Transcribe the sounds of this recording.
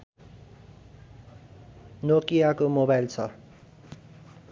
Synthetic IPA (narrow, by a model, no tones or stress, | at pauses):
nokijakomobajlt͡sʰʌ